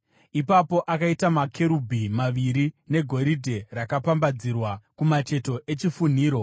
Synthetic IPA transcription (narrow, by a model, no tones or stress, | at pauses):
ipapo̞ʔakaitamakʰe̞ɾubʱimaʋiɾine̞ɡʱo̞ɾidʱe̞rakapambad͡zirwakumat͡ʃe̞to̞ʔe̞t͡ʃifun̤iːɾo̞